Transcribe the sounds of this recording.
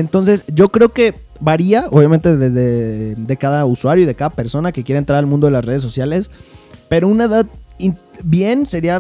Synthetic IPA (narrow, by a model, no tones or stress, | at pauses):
ent̪o̞ns̬e̞sɟ͡ʝo̞kɾe̞oke̞ | βaɾiaoβjamẽnt̪e̞ðezðed̪e̞kaðauswaɾjoiðe̞kaðape̞ɾso̞nakekje̞ɾent̪ɾaɾalmũnd̪o̞elasre̞ð̞es̬o̞sjale̞spe̞ɾo̞unaeðaðin | bje̞nse̞ɾia